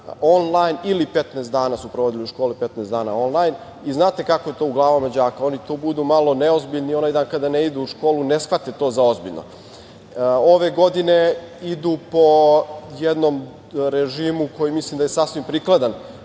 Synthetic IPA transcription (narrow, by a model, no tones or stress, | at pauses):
onlˠajnilipe̞t̪neːsd̪aːnasupɾoʋo̞d̪iliuʃko̞ːlipet̪neːsd̪aːnao̞nlˠajn | iznaːt̪e̞kakoje̞t̪o̞ːuɡlˠaːʋomad͡ʑaːkao̞nit̪oːbud̪umalˠo̞neozbiʎnio̞najd̪aːnkad̪aneid̪uuʃko̞ːlune̞sxʋat̪et̪o̞ːzao̞zbḭʎno̰ | o̞ʋe̞ɡo̞d̪ine̞ | id̪upo̞jed̪nom | ɾeʒiːmuko̞jimislˠimd̪ajesasʋimpɾiklˠad̪an